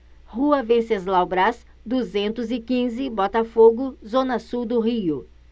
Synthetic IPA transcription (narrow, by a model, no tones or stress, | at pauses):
huɐvẽsezlawbɾas | d̪uzẽnt̪ʊzɪkĩzɪbɔt̪ɐfoɡʊzõnɐsuwd̪ʊɦiʊ